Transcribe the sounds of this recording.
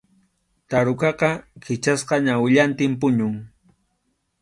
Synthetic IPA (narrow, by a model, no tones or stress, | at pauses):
t̪aɾʊkɑqɑkʰɪt͡ʃasqɑɲawɪʎant̪ɪmpʊɲʊŋ